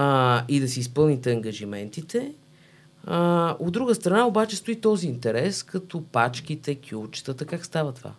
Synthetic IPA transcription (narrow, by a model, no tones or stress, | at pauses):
id̪ɐsiispɤlˠnit̪ɛəŋɡəʒimɛnt̪it̪ɛ | od̪ːɾuɡəst̪ɾɐnaobat͡ʃɛst̪ʊit̪ɔziːnt̪ɛɾɛskɐt̪ɔpat͡ʃk̟it̪ɛkʰʲut͡ʃt̪ət̪əkakst̪avət̪ova̰